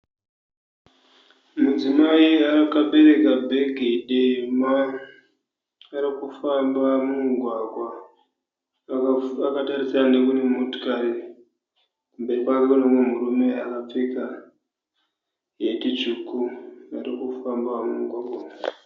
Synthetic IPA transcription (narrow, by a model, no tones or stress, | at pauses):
mud͡zimaiakaɓe̞ɾe̞kabʱeɡʱeɗema | ɾikufambamuuŋɡʱwaɡwa | akataɾisaanekunemoto̥kaɾi | kumbe̞ripakaonamomurume̞akap͡fika | jetit͡ʃukuaɾikufambamuɡwaɡwa